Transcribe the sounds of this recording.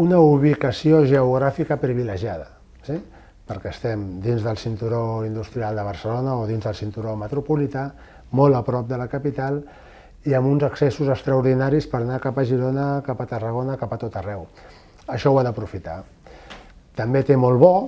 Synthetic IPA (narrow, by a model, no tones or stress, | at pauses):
unəuβ̞ikəsioʒəuɣ̞ɾafikəpɾiβiləʒiað̞ə | si | pəɾkɛːst̪ɛmd̪inzðəlˠsint̪uɾoind̪ust̪ɾialˠd̪əβ̞əɾsəlonəoðinzðəlˠsint̪uɾomət̪ɾupulit̪a | mɔləpɾɔp̚d̪ələkəpit̪alˠ | iəmunzəksɛsuzəkst̪ɾəuɾðinaɾispəɾnakapəʒiɾonəkapət̪ərəɣ̞onəkapət̪ot̪ərɛw | əʃɔwaðəpɾufit̪a̰ | t̪əmbet̪emɔlˠβɔ